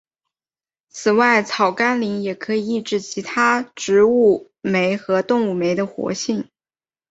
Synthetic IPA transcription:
t͡sʰɹ̩˨˩wa˥˩ɪt͡sʰɑ˨˩ʊka˥nli˧˥ŋjɛ˨˩kʰɤ˧˥i˨˩i˥˩ʈ͡ʂɻ̩˥˩t͡ɕʰi˧˥t̪ʰa˥ʈ͡ʂɻ̩˧˥u˥˩ | me˧˥ɪxɤ˧˥t̪ʊ˥˧ŋu˥˩me˧˥ɪd̪ə˧xwɔ̰˧˥ɕi˥˩ŋ

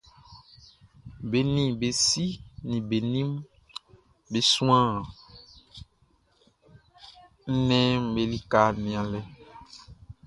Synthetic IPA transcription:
be˨nĩ˨be˨si˦nĩ˨be˨nĩ˦m | be˨sũ˦ã˦˨ | n̩˦nɛ̃˦m̩˦be˨li˦ka˦˨nĩ˨ã˨lɛ˦

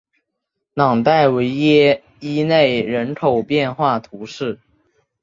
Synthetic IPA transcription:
nɑ˨˩ŋt̪a˥˩ɪwe˧˥ɪjɛ˥ | i˥ne˥˩ɪɻə˧˥nkʰo˨˩ʊpjɛ˥˧nxwa˥˩t̪ʰu˧˥ʂɻ̩˥˩

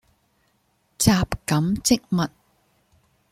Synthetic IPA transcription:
t͡saː˧pkɐ˨˥mt͡sɪ˥k̚mɐ˨t̚

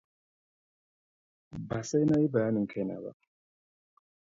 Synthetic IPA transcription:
ba˨sa˦jna˦i˦ba˨ja˦ni˨ŋ˨kʰa˦˨na̰˨ba̰˦

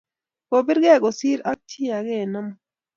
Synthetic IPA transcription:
ko˨bi˦ɾɡɛ˦˨ɡo˨siː˦ɾa˦k̚tʰi˦a˨ɡe˦˨na˦m

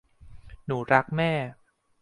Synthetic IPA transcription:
nuː˩˦ɾa˦˥k̚mɛː˥˩

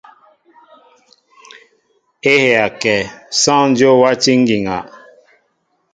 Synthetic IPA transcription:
e˦he˨a˨kɛ˨sã˦n̩˦d͡ʒjo˦wa˦ti˦ŋ̩˦ɡi˨ŋa̰˨

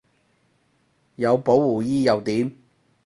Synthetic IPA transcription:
jɐ˨˧wpo˨˥wːuː˨˩jiː˥jɐ˨˧wt̪iː˨˥m

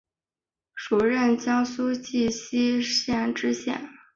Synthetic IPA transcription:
ʂu˨˩ɻə˥˩nt͡ɕjɑ˥ŋsu˥t͡ɕi˥˩ɕi˥ɕjɛ˥˩nʈ͡ʂɻ̩˥ɕjɛ̰˥˩n

